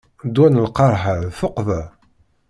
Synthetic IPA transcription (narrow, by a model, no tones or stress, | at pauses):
d̪wænəlqɑɾˤħaɾfʊqvæ